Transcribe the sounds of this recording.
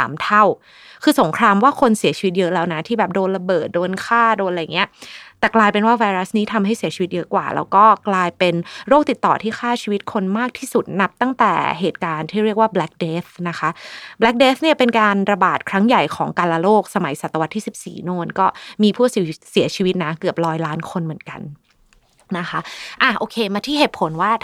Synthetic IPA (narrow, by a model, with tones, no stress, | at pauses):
sa̰ː˩˦mt̪ʰa˥˩w | kʰɯː˧so˩˦ŋkʰɾaː˧mwaː˥˩kʰo˧nsi˨˩˦t͡ɕʰiː˧wt̪̚jɤ˦˥ʔlɛː˦˥wna˦˥t̪ʰiː˥˩bɛː˨˩p̚doː˧nla˧bɤː˨˩t̪̚doː˧nkʰaː˥˩doː˧nla˨˩ja˨˩ŋːi˦˥ɐt̪ɛː˨˩klaː˧jpe˧nwaː˥˩wa˧jɾa˦˥sniː˦˥t̪ʰa˧mɦa˥˩jsi˨˩˦t͡ɕʰi˧wi˦t̪̚jɤ˦˥kwa̰ː˨˩lʔɛ̰˦˥wkɔː˥˩klaː˧jpe˧nɾoː˥˩k̚t̪i˨˩t̪ːɔ̰ː˨˩t̪ʰiː˥˩xʰaː˥˩t͡ɕʰiː˧wi˦˥t̪̚kʰo˧nmaː˥˩k̚t̪ʰiː˥˩su˨˩t̪̚na˦˥p̚t̪a˥˩ŋt̪ɛ̰ː˨˩ɦeː˨˩t̪̚kaː˧nt̪ʰiː˥˩ɾi˥˩ək̚waː˥˩blɛ˦˥k̚deː˦˥t̪̚na˦˥xʰa˦˥blɛ˦˥k̚deː˦˥t̪̚ni˥˩ɐpe˧nkaː˧nɾa˧baː˨˩t̪̚kʰɾa˦˥ŋja˨˩jkʰɔː˩˦ŋkaː˧la˧loː˥˩k̚sa˧ma˨˩˦jsa˨˩t̪ːa˧wa˦˥t̪ʰːiː˥˩si˨˩p̚sḭː˨˩noː˧nkɔː˥˩miː˧pʰuː˥˩ssi˨˩˦t͡ɕʰiː˧wt̪̚na˦˥kɯ˨˩əp̚ɾɔː˦˥jlaː˦˥nkʰo˧nmɯ˨˩˦ənka̰˧n | na˦˥kʰa˦˥ʔa˨˩ʔoː˧kʰeː˧maː˧t̪ʰiː˥˩ɦeː˨˩t̪̚pʰo˩˦nwaː˥˩